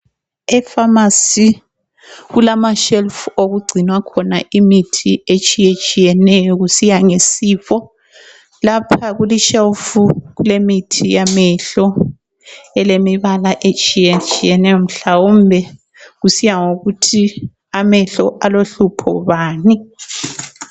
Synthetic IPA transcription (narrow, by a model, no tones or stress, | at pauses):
ɛfamasi | ɣulamaʃɛlfuoɣuɡ͡ǀʱinwakʰɔna̰ʔimitʰiet͡ʃʼijet͡ʃʼijɛnɛjɔɣusijaŋesiːfɔ | lapʰaɣuliʃɛlfuɣulemitʰijamɛɬɔ | ɛlemiβalaʔet͡ʃʼijɛt͡ʃʼijɛnɛjɔm̩ɬawumbʱɛ | ɣusijaŋoɣutʰi | amɛɬɔʔaloɬupʰɔ̰βaːni